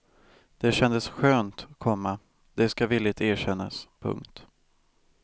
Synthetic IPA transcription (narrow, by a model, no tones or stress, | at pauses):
d̪̥ɛɕɛnd̪əsɧøːnt̪kʰɔmːa | d̪̥ɛskaviːlːɪt̪æːɕɛnːa̰spʰɵ̰ŋkt̪